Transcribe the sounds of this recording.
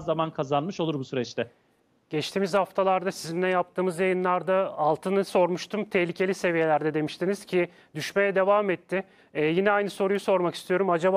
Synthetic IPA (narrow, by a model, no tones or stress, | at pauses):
amankʰazanmɯʃo̞lˠuɾbusyɾɛt͡ʃt̪ʰɛ | ɟ̥ɛt͡ʃt̪ʰiːmiz̥haft̪ʰalˠaɾd̪asizind̪ɛnjap̚t̪ʰɯːmɯzjajɯnlˠaɾd̪aːlˠt̪ʰɯnɯso̞ɾmuʃt̪ʰumt̪ʰɛhlʲicʰe̞lʲise̞vije̞lʲæɾd̪ɛd̪e̞miʃt̪ʰiniz̥cʰi | d̪̥yʃme̞jɛd̪e̞vaːmɛt̪ʰːɪ | ɛjinɛajnɯso̞ɾujuso̞ɾmaki̥st̪ijo̞ɾumad͡ʒaba